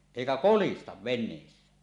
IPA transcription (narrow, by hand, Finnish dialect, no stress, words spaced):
eˑikæ kolistɑʋ ʋenˑeːsːæ